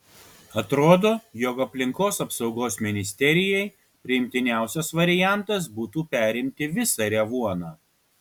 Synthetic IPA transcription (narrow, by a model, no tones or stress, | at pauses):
ɐt̪ɾoːd̪oːjoːkɐpʲlʲɪŋkoːsɐpsɒʊɡoːsmʲɪnʲɪsʲt̪ʲɛɾʲɪjɛɪ | pʲɾʲɪɪmʲt̪ʲɪnʲæˑʊsʲɛsʋɐɾʲɪjæˑnt̪ɐs̬buːt̪uːpʲæːˑɾʲɪmʲt̪ʲɪʋʲɪsɑɾʲɛʋuɔnɑː